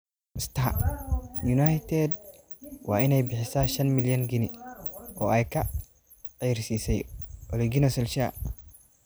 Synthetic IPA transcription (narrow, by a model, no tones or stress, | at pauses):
ɪst̪ʰaɐ̰ | junajt̪ʰɛd̪̚ | wɑ̰ːɪnɛjbɪħɪsaːʃɐnmɪljɐŋɡɪnɪʔɔːɛjkʰɐ | ʕijrsiːsɛjʔɔlɛɡɪnɐsɛlʃa